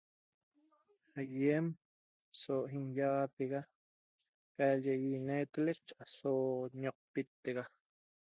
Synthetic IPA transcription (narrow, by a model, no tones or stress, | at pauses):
ajem | soɦinjɑʁɑt̪eɣa | kaʎejinet̪elet͡ʃasoɲoq̚pit̪ːeɣɑ